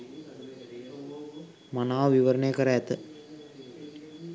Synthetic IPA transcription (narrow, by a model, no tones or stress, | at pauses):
mɐnaːʋiʋɐɾɐneːkɐɾajɐt̪ːɯ